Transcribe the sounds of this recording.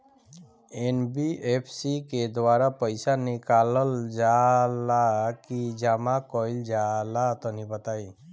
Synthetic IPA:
enbiepʰsiked̪ʋaɾapəɪsanɪkaləld͡ʒalakid͡ʒamakɔild͡ʒalat̪ɔnibət̪ai

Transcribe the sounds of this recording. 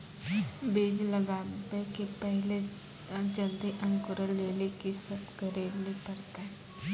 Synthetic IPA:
beːd͡ʒlɐɡaːpekipɛɦle | d͡ʒəld̪iʔɐ̃ŋkʊɾəlːeːlikisɐbɡəɾeːblipɐɾt̪aɦɛː

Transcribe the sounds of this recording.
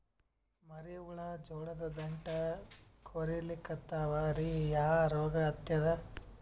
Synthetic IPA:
mɐɾiʋuɳɐd͡ʒɔːɽɐd̪ɐd̪ɐɳʈɐkʰoɾilikɐt̪ːaːʋaɾijaːɾɔːɡɐːt̪jɐd̪ɐ

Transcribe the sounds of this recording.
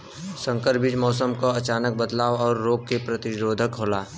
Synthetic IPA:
sə̃ŋkəɾbɪd͡ʒmɔːsəmkoɐt͡ʃaːnək̚bəd̪laːʋɔːɾːoːɡ̚kepɾət̪ɪoːd̪ʱəkɦoːlaː

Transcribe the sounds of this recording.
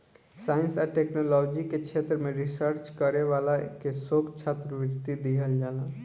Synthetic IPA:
saːɪnsaʈeknolɔːd͡ʒiket͡ʃʰet̪ɾəmẽɾisəɾt͡ʃkəɾeʋalakesokt͡ʃʰat̪ɾəʋɪɾt̪id̪iɦəld͡ʒaːla

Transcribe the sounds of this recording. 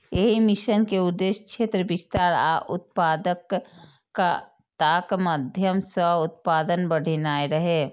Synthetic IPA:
eɦimɪʃənkeʊɾd̪eːʃkʃʰeːt̪ɾəbɪst̪aːɾa̰ʔʊt̪̚paːd̪əkː | a̰ | t̪aːkməd̪ʱjəmsəʊt̪̚paːd̪ənbəɽ̤enaːeɾəɦe

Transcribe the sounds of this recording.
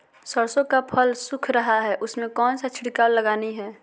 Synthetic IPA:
səɾsõkapʰəlsʊkʰɾəɦaɦɛːʔʊsmẽkɔːnsat͡ʃʰɽikaːwlːəɡaːniɦɛː

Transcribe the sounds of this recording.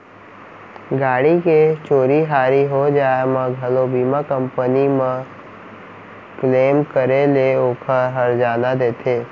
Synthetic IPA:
ɡaːɽiket͡ʃoːɾiɦaːɾiɦod͡ʒaːemãɡʱɐlobiːmakə̃mpənimã | kleːmkəɾeleoːkʰəɦəɾd͡ʒaːnad̪eːt̪ʰeː

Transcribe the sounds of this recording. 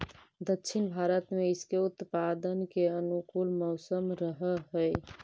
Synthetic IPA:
d̪əkːʃʰinbʱaɾət̪meiskeut̪pad̪ənkeənukulmɔʊsəmɾəɦəɦəj

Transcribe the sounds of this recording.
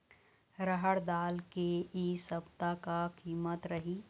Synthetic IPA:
ɾəɦəɽd̪aːlkeisɐbt̪akakiːmət̪ɾɐɦiː

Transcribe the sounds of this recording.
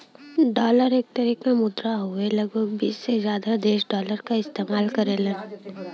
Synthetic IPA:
ɖɔːləɾeːk̚t̪ɐɾiːkmẽmʊd̪ɾaɦʊelɐɡ̚bʱəɡ̚biːsːezjaːd̪ad̪eːʃɖɔːləɾkaɪst̪eːmaːlkɐɾelan

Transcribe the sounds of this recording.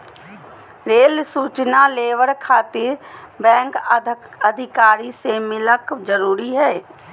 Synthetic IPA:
ɾeːlsuːt͡ʃnaleːʋəɾkʰaːt̪ɪɾbɛ̃ːŋkəd̪ʱɪkaːɾisemɪləkd͡ʒəɾuːɾiɦɛː

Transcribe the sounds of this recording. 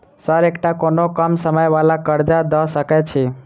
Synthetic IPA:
səɾekʈakonokəmsəməjʋalakəɾd͡ʒad̪əsəkɛt͡ʃʰi

